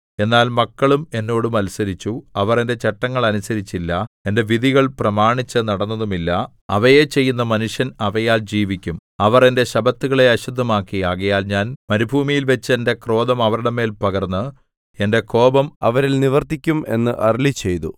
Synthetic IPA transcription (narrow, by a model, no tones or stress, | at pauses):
e̞nːaːlmɐkːɐɭume̞nːo̞ːɽumɐlusɐɾit͡ɕːuɐʋɐre̞nde̞t͡ɕe̞ʈːɐŋːɐɭɐnusɐɾit͡ɕːilːɐe̞nde̞ʋiðiɣɐɭprɐmaːɳit͡ɕːɨnɐɽɐnːɐðumilːɐ | ɐ̰ʋɐjet͡ɕe̞jːunːɐmɐnuʂjɐnɐʋɐjaːld͡ʑiːʋikʲːumɐʋɐre̞nde̞ɕɐbɐt̪ːuɣɐɭe̞ɐɕud̪ʱːɐmaːkːijaːɣɐjaːlɲaːnmɐɾibʱuːmijilʋɐt͡ɕːɨe̞nde̞kro̞ːðɐmɐʋɐɾuɽɐme̞ːlpɐɣɐrnːɨ | e̞nde̞ko̞ːbɐmɐʋɐɾilniʋɐrt̪ikʲːume̞̰nːɨʔɐrlit͡ɕːe̞jt̪ṵ